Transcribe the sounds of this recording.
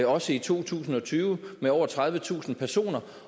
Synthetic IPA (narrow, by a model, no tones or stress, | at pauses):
ɒ̽səit͡sʰo̝̰ːt͡sʰṵːsn̩ɒ̽t͡sʰyːʊəmeɒʊ̰ɐt͡sʰʁað̞ˠʋət͡sʰṵːsn̩pʰæɐso̝̰ːnɐ